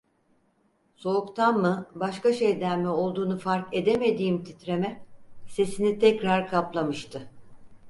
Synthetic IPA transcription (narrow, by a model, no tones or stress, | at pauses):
so̞ukt̪ʰanmɯbaʃkaʃejd̪æɾmɛo̞lˠd̪uːnufaɾke̞d̪e̞me̞d̪iːmt̪ʰit̪ɾe̞mɛse̞sinit̪ʰɛcɾaɾkʰaplˠamɯʃt̪ʰɯ